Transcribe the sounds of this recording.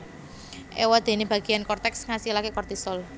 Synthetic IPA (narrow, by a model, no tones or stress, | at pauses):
ʔewad̪̥e̤neb̥ä̤ɡ̥i̤jankɔrt̪ɛksŋasilakekɔrt̪isɔl